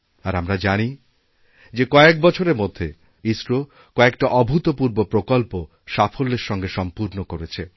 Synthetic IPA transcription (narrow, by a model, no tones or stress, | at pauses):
aɾamɾad͡ʑani | d͡ʑekɔek̚bɔt͡ɕʰoɾeɾmod̪ʱːe | isɾo | kɔekʈaʔɔbʱut̪opuɾbopɾokolpo | ʃafolːeɾʃɔŋɡeʃɔmpuɾnokoɾet͡ɕʰe